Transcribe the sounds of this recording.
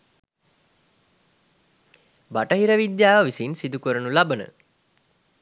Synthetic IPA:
baʈəɦiɾəʋid̪jaːʋəʋisinsid̪ukəɾənulabənə̰

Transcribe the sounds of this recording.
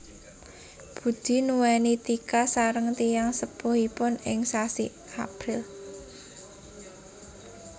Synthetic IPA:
b̥ṳd̪̥i̤nuwɛnit̪ikasaɾəŋt̪ijaŋsəpʊhipʊnɪŋsasi | apɾɪl

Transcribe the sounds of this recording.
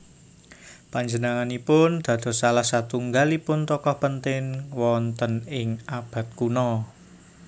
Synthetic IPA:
paɲd͡ʒənaŋanipʊnd̪̥ä̤d̪̥ɔ̤salahsat̪uŋɡalipʊnt̪ɔkɔhpənt̪ɪŋwɔnt̪ənɪŋab̥a̤t̪̚kunɔ

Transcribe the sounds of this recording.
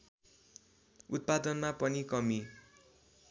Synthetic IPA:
ut̪̚pad̪ʌnmapʌnikʌmi

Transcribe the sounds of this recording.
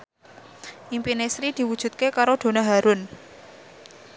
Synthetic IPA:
ʔimpinesɾid̪̥i̤wud̥ʒ̥ṳt̪̚kekaɾod̪̥o̤naɦaɾʊn

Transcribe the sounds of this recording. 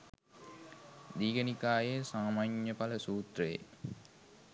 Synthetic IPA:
d̪iːɡənikaːjesaːmaːɲːəpaləsuːt̪rejḛ

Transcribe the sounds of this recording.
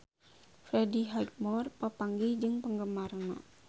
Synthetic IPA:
fɾɛdiɦajk̚mɔrpəpaŋɡid͡ʒɨŋpəŋɡəmarna̰

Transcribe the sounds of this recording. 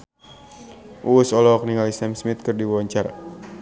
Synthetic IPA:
ʔuusɔlɔk̚niŋalisɛmsmit̪̚kɨrdiwɔɲt͡ʃara

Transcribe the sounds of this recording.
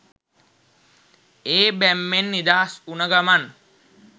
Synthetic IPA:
eːbæmːenːid̪aɦasunəɡaman

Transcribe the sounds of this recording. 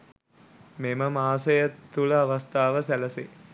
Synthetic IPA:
meməmaːsɐjət̪ːuləaʋast̪aːʋəsæləse

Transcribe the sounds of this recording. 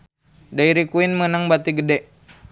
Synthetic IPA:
daiɾikuinmənaŋbat̪iɡədɛʔ

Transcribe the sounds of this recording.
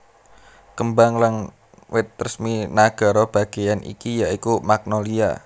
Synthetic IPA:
kəmbaŋlaŋ | wɪt̪̚rəsminaɡ̥a̤ɾɔb̥a̤ɡ̥e̤janʔḭkijaʔikumak̚nɔlia̰

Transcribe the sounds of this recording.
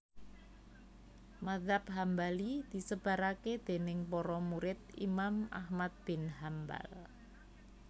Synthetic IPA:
maðapɦambalid̪̥i̤səb̥a̤ɾaked̪̥e̤nɪŋpɔɾɔmuɾɪt̪̚ḭmamʔa̰hmat̪̚b̥ɪnɦamba̰l

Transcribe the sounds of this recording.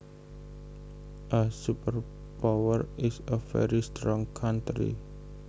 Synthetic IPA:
ʔəsupər | pawərɪsəfɛ̰ɾist̪ɾɔŋkʰant̪ɾḭ

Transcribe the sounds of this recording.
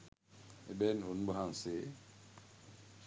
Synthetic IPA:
ebɛnon̩boɦaŋse

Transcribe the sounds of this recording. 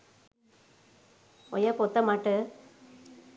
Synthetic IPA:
ɔ̰jɐpoːt̪ːɐmaːʈːɯ

